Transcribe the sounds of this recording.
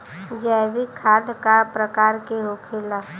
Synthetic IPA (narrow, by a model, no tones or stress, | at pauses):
d͡ʒɛːbikʰaːd̪kapɾəkaːɾkeɦokʰela